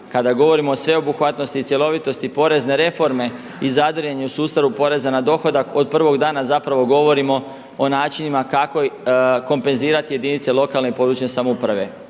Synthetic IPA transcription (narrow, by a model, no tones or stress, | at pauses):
kad̪aɡo̞ʋo̞ɾimo̞ːsʋe̞o̞buxʋat̪no̞st̪it̪sje̞lˠo̞ʋit̪o̞st̪ipo̞ɾe̞zne̞ɾe̞fo̞ɾme̞ | izad̪ɾ̩jeɲeusuːst̪aɾupo̞ɾe̞zanad̪o̞xo̞d̪ako̞d̪̚pr̩ʋo̞ɡd̪aːnazapɾaʋo̞ɡo̞ʋo̞ɾimo̞ | onaːt͡ʃinimakakoko̞mpe̞nziːɾat̪ije̞d̪init̪selˠo̞kalnepo̞d̪ɾut͡ʃɲesamoupɾaʋe̞